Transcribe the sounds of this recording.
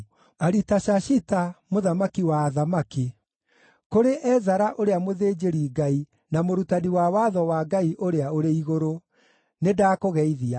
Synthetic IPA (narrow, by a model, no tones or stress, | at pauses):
aɾitaʃaɕitamoðamakiwaːðamaki | koɾeʔɛzaɾaʔoɾeamoðeːd͡ʑeɾiɡai | namoɾutaniwawaðɔwaɡaiʔoɾeaoɾeiɣoɾo | nedaːkoɣɛiðia